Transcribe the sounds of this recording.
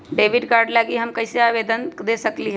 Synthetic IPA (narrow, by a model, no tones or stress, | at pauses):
ɖeːʋɪɖkaːɾɖlaɡiɦɐmkəɦɪseaːʋeːd̪ənd̪esəkliɦ